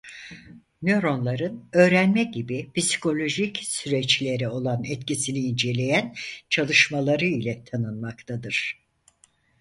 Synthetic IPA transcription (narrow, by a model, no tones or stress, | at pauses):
mo̞ɾo̞nlˠaɾɯnø̞ːɾænmɛɟibipisi̥kʰo̞lʲo̞ʒicsyɾɛt͡ʃlʲe̞ɾio̞lˠanɛt̪cisiniːnd͡ʒe̞lʲe̞jænt͡ʃʰalˠɯʃmalˠaɾɯilʲɛt̪ʰanɯnmakt̪ʰad̪ɯɾ̥